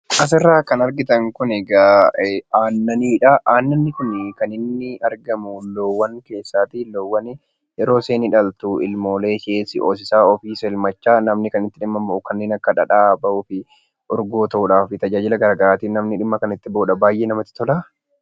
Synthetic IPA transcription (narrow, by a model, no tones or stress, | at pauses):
ʔɐs̬ɪrːaːkɐnɐɾɡɪt̪ɐŋkʊneɡa | aːnːɐniːᶑɐʔaːnːɐnːɪkʊnkɐnɪnːɪɐɾɡɐmʊloːwːɐŋke̞ːsːaːt̪iloːwːɐn | jɛɾo̞ːse̞ːnɪᶑɐlt̪uɪlmo̞ːle̞ːʃeːsɪʔo̰ːs̬ɪsaːɔfiːsɛɪlmɐt͡ʃːaːnɐmnɪkɐnɪt̪ːɪᶑɪmːɐmbɐʔʊkɐnːe̞ːnɐkːɐᶑɐᶑaːbɐʔʊːfɪ | ʔɔɾɡoːt̪ɐʔuːᶑaːfɪt̪ɐd͡ʒaːd͡ʒɪlɐɡɐɾɐɡɐɾaːt̪iːnɐmnɪᶑɪmːɐkɐnɪt̪ːɪboːᶑɐbaːjːʔeːnɐmɐt̪ːɪ̥t̪ɔlaː